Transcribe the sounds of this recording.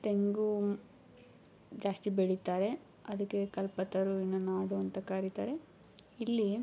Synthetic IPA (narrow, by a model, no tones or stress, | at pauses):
t̪eŋɡu | d͡ʒaːsʈ̪ibeɽit̪aːɾe | ɐd̪ɐkːekɐlpɐt̪ɐɾuinːunaːɽuɐnt̪ɐkaːɾit̪aːɾe̞ | ilːi